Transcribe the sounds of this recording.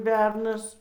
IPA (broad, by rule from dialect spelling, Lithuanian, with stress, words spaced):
ˈbʲɛrnɐs